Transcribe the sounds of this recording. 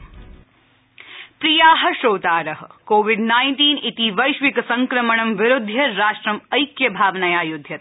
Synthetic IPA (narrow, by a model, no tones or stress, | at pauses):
pɾijaːɦɐ̆ʃoːt̪aːɾɐɦɐkoːʋiɖnaːjnʈiːnit̪iʋɐjʃʋikɐsɐŋkɾɐməɳɐmʋɪɾʊd̪ʱːjɐɾaːʃʈɾɐmɐjkjɐbʱaːʋnɐjaːjud̪ʱːjɐt̪̚